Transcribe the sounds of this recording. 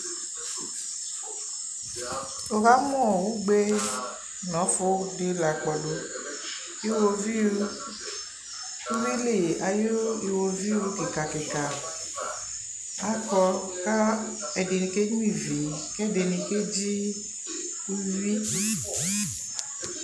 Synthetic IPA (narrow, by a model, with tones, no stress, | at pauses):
o˨ɣa˦mũ˦ɔ˨wu˦ɡ͡be˦ | nɔ̃˨˦fo˦ɖe˦la˨k͡pɔ˨lo˦ | je˦wo˨vi˦ | u˦vi˦le˨a˨jo˦i˨wo˨vi˦wo˦ke˨ka˨ke˨ka˨ | a˦kɔ˧ | ka˦ | ɛ˨ɖe˨nĩ˨ke˦ɲũ˦i˦˨ve˨ | ke˦˨de˨nĩ˨ke˦d͡ʒi˦ | wu˦vi˦